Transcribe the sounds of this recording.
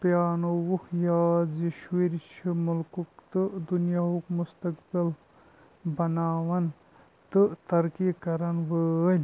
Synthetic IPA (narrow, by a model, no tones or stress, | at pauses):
pjaːnowuhjaːziʃwiɾt͡ʃʰimulkukt̪ɨd̪unjaɦukmust̪ɐkbil | bɐnaːʋɐn | t̪ɨt̪ɐɾkikɐɾɐnʋəlʲ